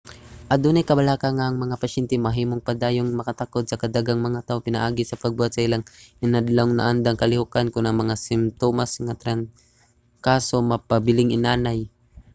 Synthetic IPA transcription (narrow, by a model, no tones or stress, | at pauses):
ʔɐd̪unɐjkɐbɐlaːkaŋːaʔːŋmɐŋapɐʃɛnt̪ɛmɐɦiːmoŋpad̪aːjoŋmɐkɐt̪akod̪̚sɐkɐd̪aɡaŋmɐŋat̪aːʔopɪna̰ʔaːɡɪsɐpɐɡ̚buːat̪̚sɐʔɪlaŋʔɪnad̪lawŋna̰ʔand̪aŋkɐlɪhukankʊnʔɐŋmɐŋasɪmt̪omasŋat̪ɾan | kaːsomɐpɐbɪlɪŋʔɪnaːnaj